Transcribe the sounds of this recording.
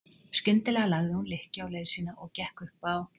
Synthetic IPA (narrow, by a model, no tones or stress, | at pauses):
skcʏnt̪ɪlɛːɣalaɣðɪhunlɪhcaːwlejðsiːnaʔɔɣcɛhkʏhpaw